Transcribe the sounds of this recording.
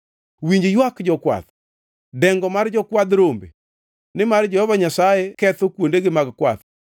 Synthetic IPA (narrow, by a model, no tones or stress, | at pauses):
wiɲd͡ʒjwakd͡ʒɔkwa̰t̪ | dɛŋɡɔmard͡ʒɔkwad̪ɾombḛ | nɪmard͡ʒɔhɔvaɲasajɛkɛt̪okwondeɡɪmaɡkwa̰t̪